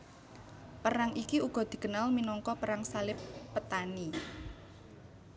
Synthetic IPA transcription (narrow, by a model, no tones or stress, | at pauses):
pəɾaŋikiuɡ̥ɔ̤d̪̥i̤ɡ̥ə̤nalminɔŋkɔpəɾaŋsalɪpːət̪ani